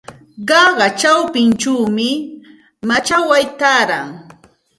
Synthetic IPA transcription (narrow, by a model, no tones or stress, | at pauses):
ɢɑɢɑt͡ʃawpɪnt͡ʃuːmɪ | mat͡ʃawajt̪aɾaŋ